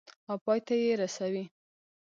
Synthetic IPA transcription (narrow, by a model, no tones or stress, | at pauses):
awpɑjt̪ajeɾasawi